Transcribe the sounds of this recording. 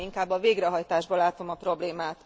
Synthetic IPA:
iŋkaːbːɒveːɡɾɛɦɒjt̪aːʒbɒlaːt̪o̞mɒpro̞bleːmaːt̪

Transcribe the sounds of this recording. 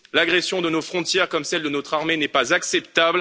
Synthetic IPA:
laɡʁɛsjɔ̃d̪ənofχɔ̃t̪jɛʁkɔmsɛld̪ənɔt̪χaʁmenɛpazaksɛpt̪abl

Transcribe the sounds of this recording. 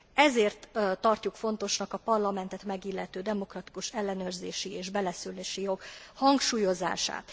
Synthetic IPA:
ɛzeːrt̪ːɒrcukfo̞nt̪o̞ʃnɒkɒpɒrlɒmɛnt̪ɛt̪mɛɡilːɛt̪øːd̪ɛmo̞krɒt̪i̥kuʃɛlːɛnøːrzeːʃieːʒbɛlɛsylːeːʃijo̞ɡhɒŋkʃuːjo̞za̰ːʃa̰ːt̪

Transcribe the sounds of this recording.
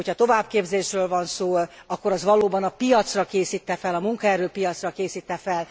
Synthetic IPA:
ocʰɒt̪o̞vaːbkeːbzeːʃrøːlvɒnsoːɒkːoɾɒzvɒloːbɒnɒpijɒt̪srɒkeːsiːt̪ːɛfɛlɒmuŋkɛɾøːpijɒt̪srɒkeːsiːt̪ːɛfɛl

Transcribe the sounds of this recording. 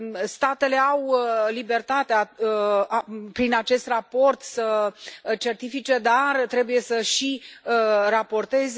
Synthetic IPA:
st̪at̪e̞le̞awlibe̞rt̪at̪ea | pɾinat͡ʃe̞st̪rapo̞rt̪sə | t͡ʃe̞rt̪ifit͡ʃe̞d̪art̪ɾe̞buje̞səʃiərapo̞rt̪e̞z

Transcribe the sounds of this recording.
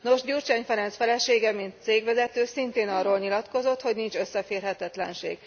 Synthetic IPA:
no̞ʒɟurt͡ʃɛːɲfɛɾɛnsfɛlɛʃeːɡɛmint̪seːɡʋɛzɛt̪øːsint̪eːnɒroːlɲilɒt̪ko̞zo̞t̪ho̞ɟnint͡ʃø̞sːɛfeːrɦɛt̪ɛt̪lɛ̰nʃḛːɡ̥

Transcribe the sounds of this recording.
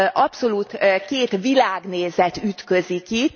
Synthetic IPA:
ʔɒpso̞luːt̪keːt̪ʋilaːɡneːzɛt̪yt̪kø̞ziki

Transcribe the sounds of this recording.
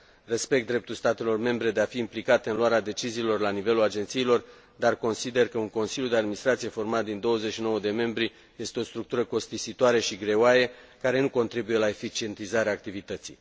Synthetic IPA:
re̞spe̞k̚t̪d̪ːɾe̞p̚t̪ulst̪at̪e̞lo̞rme̞mbɾe̞d̪eafiːmplikat̪eɨnluaɾead̪e̞t͡ʃiziːlo̞rlanive̞lulad͡ʒe̞nt̪siːlo̞r | d̪arko̞nsid̪e̞rkəuŋko̞nsiljud̪ead̪minist̪ɾat̪sije̞fo̞rmat̪̚d̪ind̪o̞wəzeʃino̞wəd̪e̞me̞mbɾi | je̞st̪eo̞st̪ɾuk̚t̪uɾəko̞st̪isit̪oaɾeʃiɡɾe̞oaje̞ | kaɾe̞nuko̞nt̪ɾibuje̞lae̞fit͡ʃie̞nt̪izaɾeaːk̚t̪ivit̪ət̪sḭj

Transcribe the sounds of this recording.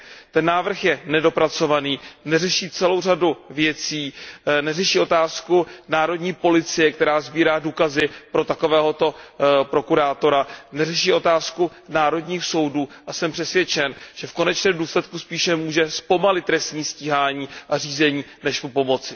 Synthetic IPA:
t̪ɛnːaːvr̩xjɛnɛdo̞pɾat͡so̞vaniːnɛrɛʃiːt͡sɛlo̞wr̝aduvjɛt͡siːnɛrɛʃiːʔo̞t̪aːskunaːɾo̞dɲiːpo̞lɪt͡sɪjɛkt̪ɛɾaːzbiːɾaːduːkazɪpɾo̞t̪ako̞vɛːɦo̞t̪o̞pɾo̞kuɾaːt̪o̞ɾanɛrɛʃiːʔo̞t̪aːsku | naːɾo̞dɲiːxso̞wduːʔasɛmpr̥ɛsvjɛt͡ʃɛnʒ̥ɛfko̞nɛt͡ʃnɛːmduːslɛt̪kuspiːʃɛmuːʒɛspo̞malɪt̪ːɾɛst̪ɲiːsciːɦaːɲiːʔariːzɛɲiːnɛʃpopo̞mo̞t͡sɪ

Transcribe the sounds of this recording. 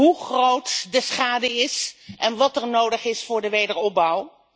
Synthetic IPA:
ɦuχrowtdəsχaːdəɪsʔɛnʋɑtəɹnowdəχɪsfʊːɹdəʋejdəɹɔb̚bʌw

